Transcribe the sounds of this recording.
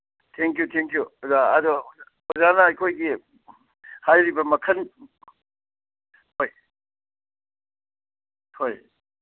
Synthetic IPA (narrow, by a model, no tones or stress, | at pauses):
tʰeŋkjut̪ʰeŋkjuzaɐd̪o | hozanɐːjkʰojɡi | hajɾibɐmɐkʰɐn | hoj | hoj